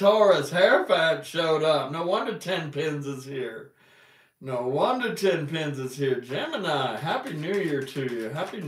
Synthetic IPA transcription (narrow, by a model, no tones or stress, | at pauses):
tʰɔɹɨshɛɹfætʃoʊɾʌp̚noʊwʌ̃ndɨtʰɛ̃npʰɪ̃nzɨz̥hiɹ | noʊwʌ̃ndɨtʰɛ̃npʰɪ̃nzɨz̥hiɹd͡ʒɛmɨnaɪɦæpinʉjə˞tʰɨjʉɦæpi